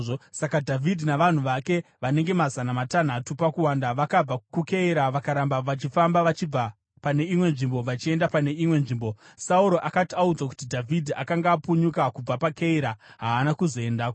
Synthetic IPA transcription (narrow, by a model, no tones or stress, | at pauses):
sakadʱavʱidʱinaʋan̤uʋake̞ʋane̞ŋɡe̞mazanamatan̤atupakuwaːndaʋakab͡vakuke̞iɾaʋakaɾambaʋat͡ʃifambaʋat͡ʃib͡va | pane̞imwe̞nʐimbo̞ʋat͡ʃie̞ndapane̞imwe̞nʐiːmbo̞sauɾo̞ʔakatiaud͡zwaku̥tidʱavʱidʱiakaŋɡaːpuɲukakub͡vapakeiɾaɦaːnakuzo̞e̞ndaːko